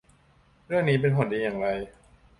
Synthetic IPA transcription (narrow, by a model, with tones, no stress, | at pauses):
ɾɯ˥˩əŋniː˦˥p̬e˧npʰo˨˩˦ndiː˧jaː˨˩ŋɾa˧j